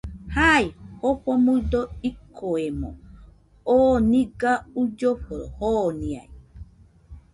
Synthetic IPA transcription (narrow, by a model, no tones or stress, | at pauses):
haihoɸomud̪oikʰoemo̰ | oːniɡaud͡ʒoɸoɾohonĩa̰i